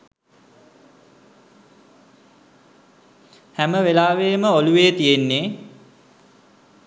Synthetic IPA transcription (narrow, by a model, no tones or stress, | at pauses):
hæməʋelaːʋeːməoluʋeːt̪ijenːeː